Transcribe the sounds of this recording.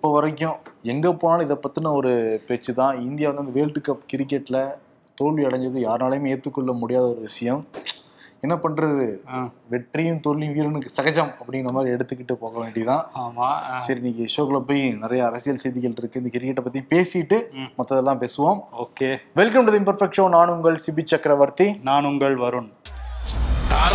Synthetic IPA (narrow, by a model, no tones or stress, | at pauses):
ɪpːoːʋɐɾɐk̬ːjʊ̃ɛŋɡɐpoːnaːnɐɪðɐpːɐt̪ːɯnɐɔɾɯpɛt͡ʃːɯt̪ãːɪnd̪ɪjaːʋɐnd̪ɯɪnd̪ɐʋeːlʈːɯkːɐpkɪɾɪkːɛʈːlɐ | t̪oɭiɐɽɐɲd͡ʒɐðɯjaːɾnaːlɐjʊ̃meːɾt̪ːɯkːɔɭːɐmʊɽɪjaːðɐɔɾɯʋɪʂɐjɐm | ɛnːɐpɐɳɾɐðɯʋɛʈrijʊ̃mt̪oɭij̃ʋiːɾɯnɯksɐɣɐt͡ʃːɐmɐpːɐɽɪ̃ŋɡɪɐmaːd̪ɾiɛɽɯt̪ːɯkːɪʈːɯpoːɣɐʋeːɳɖɪɐt̪ãːaːmasɐɾiniːkːɐɪʂoːkɐɭɐp̬ːoːjnɪɾɐjɐːɾɐsɪjɐlsɛjðikːɐlʈɪɾɯkːɯɪnd̪ɐkɪɾɪkːɛʈːɐpːɐt̪ːijʊ̃peːsɪʈːɯmɐt̪ːɐðɛlːãːpeːsɯʋaːmoːkeʋɛlkɐmʈɐðɪmpɐɾfɛk̚ʂoːnaːnʊŋɡɐɭsɪbit͡ʃːɐkːɾɐʋɐɾt̪inaːnʊŋɡɐɭʋɐɾɯn